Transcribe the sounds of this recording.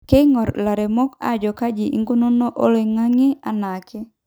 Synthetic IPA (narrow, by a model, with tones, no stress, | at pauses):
ke˦ŋɔ˨ɾla˨ɾe˨mɔ˦ka̰˦d͡ʒɔ˨ka˦d͡ʒi˨ʔḭ˦ŋɡo˦no˦no˦ʔo˦le˨ŋa˦ŋe˦a˨na˨ke˦